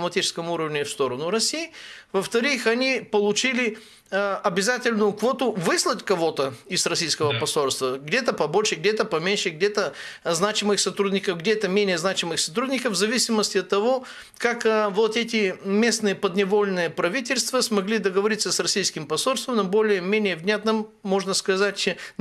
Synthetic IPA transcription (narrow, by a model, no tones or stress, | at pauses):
mɐt̪ʲit͡ʃɪ̥skəmuɾəvnʲɪfst̪oɾənʊɾɐsʲiːvəft̪ɐɾɨxɐnʲipəlˠʊt͡ʃilʲɪ | ɐbʲɪzat̪ʲɪlʲnʊjʊkvot̪ʊvɨslˠətʲkɐvot̪əɪsɾɐsʲijskəvəpɐsolʲst̪vəɡdʲet̪əpɐboʃɪɡ̚dʲɛt̪əpɐmʲenʲʃɪɡ̚dʲɛt̪əznat͡ɕɪmɨxsɐt̪ɾudʲnʲɪkəfɡdʲet̪əmʲenʲɪjəznat͡ɕɪmɨxsɐt̪ɾud̪ʲnʲɪkəfvzɐvʲisʲɪməsʲtʲɪɐt̪ːɐvo | kakvot̪ɛt̪ʲɪmʲesnɨjəpəd̪nʲɪvolʲɪnɨjəpɾɐvʲitʲɪlʲst̪vəsmɐɡlʲid̪əɡəvɐɾit̪səsrɐsʲijskʲɪmpɐsolʲst̪vəmnobolʲɪjəmʲenʲɪjəvnʲat̪nəmːoʐnəskɐzatʲ